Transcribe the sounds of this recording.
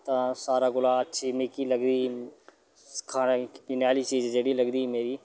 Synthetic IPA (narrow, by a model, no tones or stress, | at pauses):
t̪ãːsaːɾaːɡʊlaːətːʃʰiːmeːkiːləɡd̪iː | kʰaːnpinjaːliːt͡ʃiːd͡ʒd͡ʒeːɽiːləɡd̪iːmeːɾiː